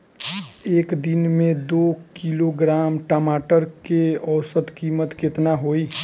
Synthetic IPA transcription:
eːkd̪ɪnmẽd̪oːkiːloɡɾaːmʈamaːʈəɾkeɔːsət̪kiːmət̪kɪt̪naɦoːiː

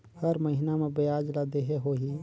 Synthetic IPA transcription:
həɾməɦɪnamẽbeaːd͡ʒlad̪eɦeɦoɦi

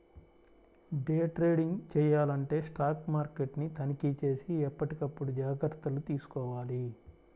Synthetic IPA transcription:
ɖeːʈɾe̞ːɖiŋɡt͡ʃɛːjaːlɐɳʈe̞ːsʈaːkmaːɾkeʈnit̪ʰɐnikit͡ʃe̞ːsiɛpːɐʈikɐpːuɽud͡ʒaːɡɐɾt̪ɐlut̪iːsu̥kɔːʋaːli

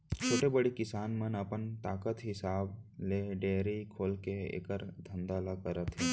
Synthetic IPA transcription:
t͡ʃʰoːʈebəɽikɪsaːnmənəpənt̪aːkət̪ɦɪsaːbleːɖeːɾikʰoːlkeḛːkəɾd̪ʱə̃nd̪alakəɾət̪ɦe

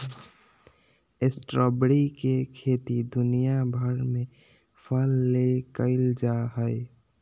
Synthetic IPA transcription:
esʈɾəbɾikekʰet̪id̪unijabʱəɾme | pʰəlːekəɪld͡ʒaɦəɪ

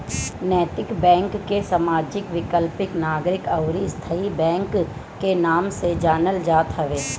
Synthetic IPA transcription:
nɛːt̪ɪkbɛ̃ːŋkːesamaːd͡ʒɪkʋɪkəlpɪknaːɡɾɪkəʊɾist̪ʰəibɛ̃ːŋkː | enaːmsed͡ʒaːnəld͡ʒaːt̪ɦəʋeː

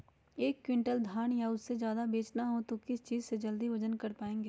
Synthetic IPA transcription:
eːkːwɪ̃ɳʈəld̪ʱaːɳ̃jaʊsːed͡ʒjaːd̪abeːt͡ʃnaɦot̪okɪst͡ʃiːzsed͡ʒɐld̪iʋɐd͡ʒənkɐɾpaːẽːŋɡeː

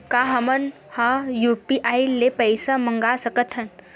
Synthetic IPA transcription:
kaɦɐmən | hajupiʔailːepəjsaməŋɡasəkət̪ʰən

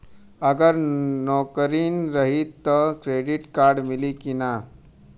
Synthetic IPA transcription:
əɡəɾnɔkɾiːnɾəɦit̪ːəkɾeɖiʈkaɾɖmilikina

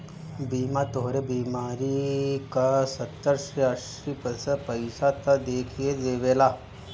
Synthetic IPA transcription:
biːmat̪oɦɾebiːmaɾikasət̪ːəɾʂiəʂ | ipəsəpəjsat̪ad̪ekʰijed̪eʋela

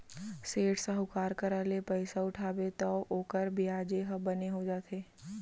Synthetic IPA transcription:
seːʈsəɦʊkaːɾkəɾaːlepəɪsaʊʈʰaːbet̪ɐʔoːkəɾbʱiaːd͡ʒeɦɐbɐneɦod͡ʒaːt̪ʰeː

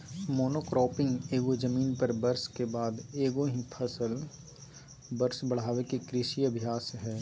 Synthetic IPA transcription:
moːnoːkɾɔːpɪ̃ŋɡeːɡod͡ʒəmiːnpɐɾbɐɾskebaːd̪eːɡoɦĩpʰɐsəl | bɐɾsbɐɽ̤aːʋekekɾɪʃiɐbʱijaːsɦɛː

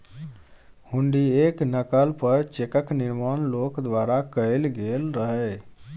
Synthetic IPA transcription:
huɳɖieknəkəlpəɾt͡ʃekəkniɾmanlokd̪ʋaɾakəɪlɡelɾəɦəɛ

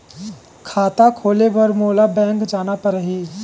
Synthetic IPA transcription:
kʰaːt̪akʰoːlebɐɾmoːlabɛ̃ːŋkd͡ʒaːnapəɾəɦiː

